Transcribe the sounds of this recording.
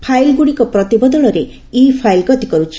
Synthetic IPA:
pʰajlɡuɽikɔpɾɔt̪ibɔd̪ɔɭɔɾe | ipʰajlkɔt̪i̥kɔɾut͡ʃʰi̥

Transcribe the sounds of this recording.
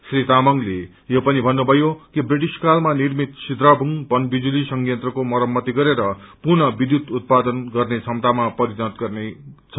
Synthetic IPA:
srit̪amʌŋle | jopʌnibʱʌnːubʱʌjokibriʈiskalmanirmit̪sid̪rabʱuŋbʌnbid͡zulisʌŋɡjʌnt̪rʌkomʌɾʌmːʌt̪iɡʌɾeɾʌ | purnʌbid̪jut̪ut̪̚pad̪ʌnɡʌrnet͡sʰʌmt̪amapʌɾidat̪ɡʌrnet͡sʰʌ̥

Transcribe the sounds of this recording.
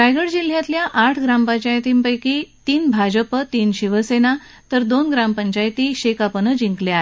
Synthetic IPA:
ɾajɡəɽd͡ʑil̤jat̪ljaʔaʈʰɡɾampəɲt͡ɕajt̪iːmpəjkit̪iːnbʱad͡ʑəpət̪iːnɕiʋəsena | t̪əɾd̪onɡɾampəɲt͡ɕajt̪iːɕekapənəd͡ʑiŋkleaɦe

